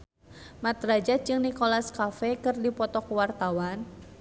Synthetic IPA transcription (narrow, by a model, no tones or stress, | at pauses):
mat̪ɾad͡ʒad͡ʒɨŋnikolaskafɛkɨrdipɔt̪ɔkəwart̪awan